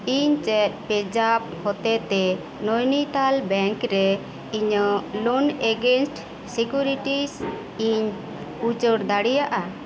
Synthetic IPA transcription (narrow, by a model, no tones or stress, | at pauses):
iɲt͡ʃɛt̪̚ˀpɛd͡ʒab̚hɔt̪ɛt̪ɛ | nɔjnit̪albɛŋkɾɛ | iɲəlɔnɛɡɛnsʈ | sikjuɾiʈis | iɲ | ut͡ʃəɾd̪aɽijaʔa